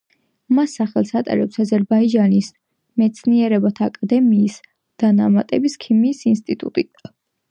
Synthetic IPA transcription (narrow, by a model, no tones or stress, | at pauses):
masːaχɛlˠsat̪ʼɛ̰ɾɛpsazɛɾbaid͡ʒanis | mɛt̪sʰniɛɾɛbat̪ʰaːkʼad̪ɛmiːs | d̪̥ana̰mat̪ʼɛbiskʰimiːsinst̪ʼit̪ʼṵt̪ʼit̪